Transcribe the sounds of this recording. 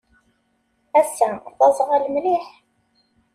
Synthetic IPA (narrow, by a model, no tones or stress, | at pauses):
æsæθɑzˤʁælmliħ